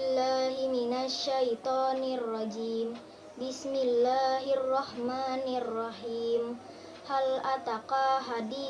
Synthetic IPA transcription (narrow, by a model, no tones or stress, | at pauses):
lːaːɦiminaʃːajt̪ɑːnrˤːɑd͡ʒiːm | bɪsmɪlːaːɦarːɑhmaːnrːɑhiːm | halʔat̪aqaɦadiː